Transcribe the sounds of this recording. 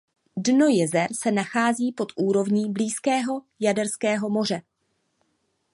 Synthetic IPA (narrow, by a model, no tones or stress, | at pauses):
dno̞jɛzɛɾsɛnaxaːziːpo̞t̪ʔuːɾo̞vɲiːbliːskɛːɦo̞ | jadɛɾskɛːɦo̞mo̞r̝ɛ